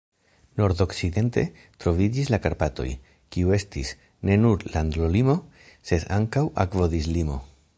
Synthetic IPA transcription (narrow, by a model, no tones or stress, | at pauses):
no̞ɾdo̞ksid̪e̞nte̞̰ | t̪ɾo̞vid͡ʒis̬lakaɾpato̞̰j | kiue̞stis | ne̞nuɾland̪lolimo̞ | se̞d̪aŋkawa̰kvo̞dizlimo̞̰